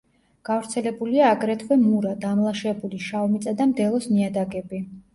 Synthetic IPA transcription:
ɡ̥avɾt̪sʰɛlɛbuliaːɡɾɛt̪ʰvɛmuɾad̪amlˠaʃɛbuliʃavmit̪sʼad̪amd̪ɛlˠɔsniad̪aɡɛbi

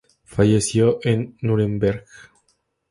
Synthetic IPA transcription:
faʝesjoʔenːuɾembeɾɣ

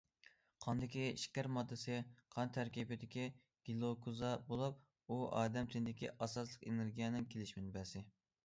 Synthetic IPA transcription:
qʰɑnd̪ɪkʲiḭʃkʲæɾmɑd̪ːɨsɪqʰɑnt̪ʰæɾkʲibɪd̪ɪkʲi | ɡ̥ʲilˠokʰuzɑbolˠup̚ | uɑ̰ːd̪ɛmt̪ʰɪnd̪ɪkʲʰḭʔɑsɑslˠəqeneɾɡʲijɛnɪŋkʲʰelɪʃmɪnɪbæsɪ

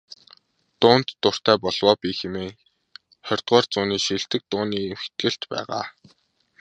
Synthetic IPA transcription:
t̪ʊːn̥t̪ːʊr̥t̪æːpɔɮ̥wɔːpiːxemeː | χœrʲt̪ɢœːrt͡sʊːniːʃiɬt̪ɘ̆k̚t̪ʊːniːxe̥t̪̚ɡɘ̆ɬt̪pæ̰ːʁa̰ː

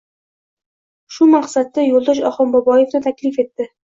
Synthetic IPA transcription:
ʃʊmaqsat̪ːajolˠd̪ɒʃɒχɒmbɒbɒje̞fnɪt̪ʰakʲlɪfe̞t̪ːɪ

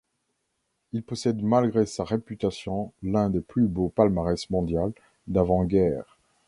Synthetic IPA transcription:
ilpɔsɛd̪malɡʁesaʁepyt̪asjɔ̃lɛ̃d̪eplybopalmaʁɛsmɔ̃d̪jal | d̪avɑ̃ɡɛːʁ

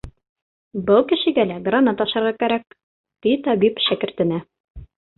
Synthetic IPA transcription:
bɤlˠkɘ̆ʃɘ̆ɡælæɡranɑt̪ɒʃɑɾʁɑkæɾæk̚ | t̪it̪ɑbipʃækɘ̆ɾt̪ɘ̆næ

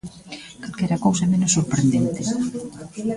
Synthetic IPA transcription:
kalkɛɾɐkows̬ɐɛmenʊsoɾpɾend̪ent̪ɪ

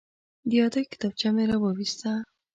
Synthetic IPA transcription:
d̪ijɑd̪ajkɪ̥t̪ɑb̚t͡ʃameɾawɑwist̪a

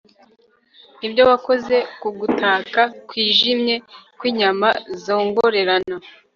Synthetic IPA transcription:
nibɟo̞wako̞ze̞kuɡutaːkakwiːʒimɲe̞kwiːɲamazo̞ːŋɡo̞ɾe̞ɾana

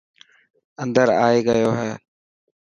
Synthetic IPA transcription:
ənd̪əɾaːeːɡəjoːɦɛː

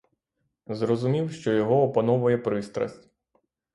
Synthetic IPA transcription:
zrɔzʊmʲiwʃt͡ʃɔjɔɦɔːpɐnɔʋʊjɛpɾɪst̪ɾɐ̰sʲtʲ

